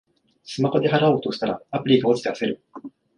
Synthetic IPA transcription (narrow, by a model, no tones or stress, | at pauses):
sɨmakod̪eɦaɾao̞ːt̪o̞ɕi̥t̪aɾaapɯ̟ɾʲiɡao̞t͡ɕi̥t̪e̞ase̞ɾɯ̟